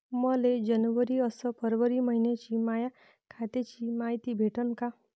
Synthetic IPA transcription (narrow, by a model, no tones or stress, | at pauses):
məled͡ʑənʋəɾiəsəpəɾʋəɾiməɦinjat͡ɕiːmaja | kʰat̪et͡ɕiːmaɦjt̪ibʱeʈʰənka